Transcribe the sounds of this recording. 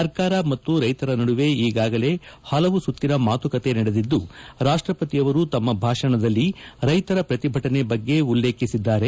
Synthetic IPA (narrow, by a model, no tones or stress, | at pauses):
sɐɾkaːɾɐmɐt̪ːuɾɐjt̪ɐɾɐnɐɽuʋe̞iːɡaːɡɐle̞hɐlɐʋusut̪ːinɐmaːt̪ukɐt̪e̞nɐɽe̞d̪id̪ːuɾaːʂʈɾɐpɐt̪ijɐʋɐɾut̪ɐmːɐbʱaːʂɐɳɐd̪ɐlːiɾɐjt̪ɐɾɐpɾɐt̪ibʱɐʈɐne̞bɐɡːe̞ulːe̞ːkisid̪ːaːɾe̞